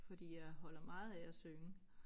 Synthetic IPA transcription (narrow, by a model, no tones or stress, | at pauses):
fɒ̽d̥ḭːjɑ̈ɪɦɒ̽l̰ɐmɑ̈ːð̞̩ˠææsøŋə